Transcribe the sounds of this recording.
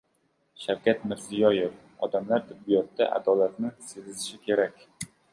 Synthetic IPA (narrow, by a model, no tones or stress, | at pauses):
ʃawkʲʰat̪mɪɾzɪjɒjef | ɒd̪amlaɾt̪ʰɪbːijɒt̪ːa̰ʔa̰d̪ɒlat̪nɪsezɪzɪʃɪkʲʰe̞ɾakʲ